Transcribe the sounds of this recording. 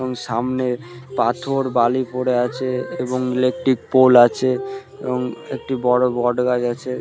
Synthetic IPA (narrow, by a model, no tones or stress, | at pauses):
boŋʃamnepat̪ʰoɾbalipoɽeat͡ɕʰeeboŋelek̚ʈɾik̚polat͡ɕʰe | ḛboŋḛk̚ʈibɔɽobɔɖɡad͡ʑat͡ɕʰe